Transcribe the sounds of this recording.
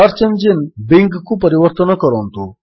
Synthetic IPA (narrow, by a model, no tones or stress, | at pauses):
aɾt͡ʃənd͡ʑinbiŋkkupəɾiʋəɾt̪ənəkəɾont̪u